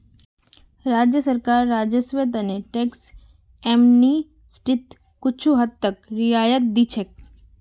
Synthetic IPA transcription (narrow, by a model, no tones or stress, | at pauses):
ɾaːd͡ʒjəsəɾkaːɾːaːd͡ʒəsʋet̪̬əneʈeːks | ɛmni | sʈɪt̪ | kʊt͡ʃʰuɦɐd̪t̪ːəkɾɪaːjət̪̚d̪it͡ʃʰek̚